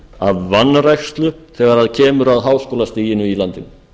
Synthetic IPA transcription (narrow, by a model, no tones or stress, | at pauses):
aðvanːɾajxst̪lʏθɛɣaɾaðcʰɛːmʏɾaðɦaːwskowlast̪iːjɪnʏilant̪ɪn